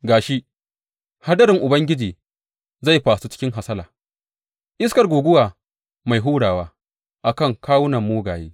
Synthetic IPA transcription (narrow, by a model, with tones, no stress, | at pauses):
ɡaː˨ʃi˦ʔ | ha˦dɐ˦ɾɪ˨ŋʔʊ˨bɐ˦ŋɡʲɪ˦d͡ʒiː˨ | za˦˨jɸaː˨su˦t͡ʃɪ̥˦kʲɪ˦ŋɦa˨sɐ˦laː˨ | ʔɪ˦skɐ˨rɡʷuː˨ɡʷʊ˦waː˨ | ma˨jɦuː˦ɽaː˨waː˦ | ʔa˨kɐ˦˨ŋkaː˦wʊ˦nɐ˨mːuː˦ɡaː˨jḛː˦